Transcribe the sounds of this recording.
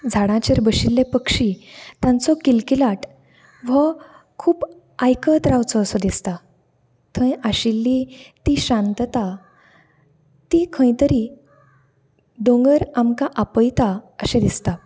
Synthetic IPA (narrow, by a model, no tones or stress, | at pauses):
d͡zʱaɽãt͡ɕəɾbəɕilːepəkʂit̪ãnt͡sɔkilkilaʈ | ʋə | kʰuːp | ajkət̪ɾaʋt͡sɔːsɔd̪ist̪a | t̪ʰə̃jaɕilːit̪iɕãnt̪ət̪a | t̪ikʰə̃jt̪əɾi | d̪õŋɡəɾamkaʔapəjt̪aəɕẽd̪ist̪a